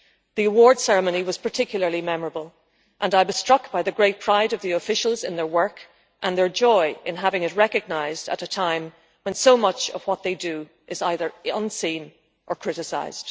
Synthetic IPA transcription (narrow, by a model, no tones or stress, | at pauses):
ðiəwɔɹd̥sɛɹɨmõniwʌz̥pʰə˞tʰɪkʰjl̩ˠə˞limɛmə˞əbəlˠ | ʔə̃naɪwʌz̥stɹ̥ʌkb̥aɪðɨɡɹeɪt̚pʰɹ̥aɪɾʌvðiəfɪʃl̩ˠzɨ̃nðə˞wɜ˞k | ʔə̃nðə˞d͡ʒɔɪɪ̃nɦavɪ̃ŋɨt̚ɹɛkɨɡ̚naɪzdə̰ɾətʰãɪ̃m | wə̃nsoʊmʌt͡ʃʌ̰v̥wʌt̪̚ðeɪdɨ | ʔɪzaɪðə˞ʌ̰̃nsĩn | ʔə˞kʰɹ̥ɪɾɨsa̰ɪz̥d̥